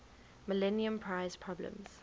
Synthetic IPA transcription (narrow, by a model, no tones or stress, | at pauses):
məlɛniə̃mpʰɹaɪz̥pʰɹɔblə̰̃mz̥